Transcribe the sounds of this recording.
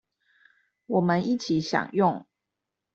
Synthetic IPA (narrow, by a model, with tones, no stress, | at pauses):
wɔ˨˩mə˦ni˥˨t͡ɕʰi˨˦ɕjɑ̰˨˩ŋjʊ˥˨ŋ